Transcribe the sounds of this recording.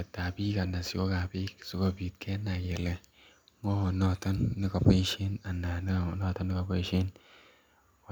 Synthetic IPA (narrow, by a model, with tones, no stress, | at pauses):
a˨tːa˨bi˦ka˨na˨si˦ko˦ka˨bi˦ki̥˨si˦ko˦bi˨tkʰe˦na˨jɛ˨lɛ˨ | ŋo˦˨nɔ˦˨tɔ˦nːi˦ka˨pe˦ʃe˦na˨na˨n˦˨nɔ˦˨tɔ˦nːi˦ka˨po˦ʃe˦n˨